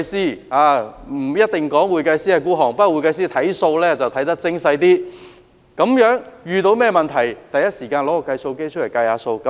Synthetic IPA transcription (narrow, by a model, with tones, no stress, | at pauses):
jsiː˥aː˨˧m̩˨˩jɐ˥t̚t̪ɪ˨ŋkɔː˨˥ŋwuː˨jkɐ˧jsi˥aː˧kuː˥ɦɔː˨˩ŋpɐ˥˨wuː˨˧jkɐ˧js̬iː˥t̪ʰɐ˨˥jso˧wlɛː˥t͡sɐ˨wt̪ʰɐ˨˥jt̪ɐ˥k̚t͡sɪ˥ŋsɐ˧jt̪iː˥ | kɐ˨˥mjœː˨˥ŋjyː˨˧t̪o˧wmɛː˥mɐ˨nt̪ʰɐ˨˩jt̪ɐ˨˧jɐ˥t̚siː˨˩kaː˧nlɔː˨˥ɔ˧kɐ˧jso˧wke˥jt͡ʃʰɵ˥ljkɐ˧jhaː˨˧˥so˧wkɐ˨˦